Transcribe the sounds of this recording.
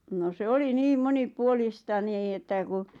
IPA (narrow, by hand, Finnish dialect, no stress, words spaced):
no se oli niːm monipuolistɑ niː ĕtːæ ku